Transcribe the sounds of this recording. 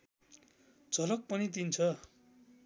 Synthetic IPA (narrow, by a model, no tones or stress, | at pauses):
d͡zʱʌlʌk̚pʌnit̪̬int͡sʰʌ